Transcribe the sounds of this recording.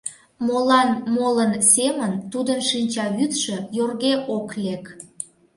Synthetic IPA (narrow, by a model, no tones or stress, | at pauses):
molɑnmolənsemənt̪ud̪ənʃinʲt͡ɕɑβyt̪ʃĕjorɣeʔoklek